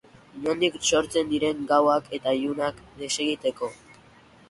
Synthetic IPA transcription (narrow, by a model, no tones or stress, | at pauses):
no̞nd̪ikso̞ɾt͡se̞nd̪iɾe̞ŋɡawakʰe̞t̪aʎunakd̪e̞se̞ɣit̪e̞ko̞